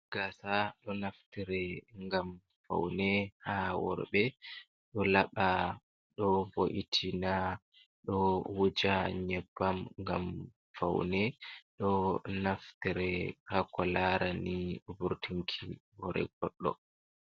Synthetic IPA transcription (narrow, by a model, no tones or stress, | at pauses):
ɡ̥asaɗɔnaftiɾɛŋɡam | fa̰wnɛhawɔ̰ɾbɛ | ɗɔlaɓa | ɗɔboʔitʰina | ɗɔwud͡ʒaɲɛbːamŋɡam | fa̰wnɛɗɔnaftiɾɛhakɔlaɾanibuɾtʰiŋkʰibɔɾɛ̰ɡ̥ɔɗːɔ̰